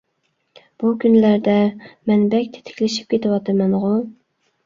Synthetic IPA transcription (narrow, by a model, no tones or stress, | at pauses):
b̥ukʲʰynlæɾd̪ɛmɛnbɛkʲt̪ʰɪ̥t̪ʰɪ̥kʲlɪʃi̥p̚kʲʰet̪ɨwɑt̪ʰɨmɛnʁʊ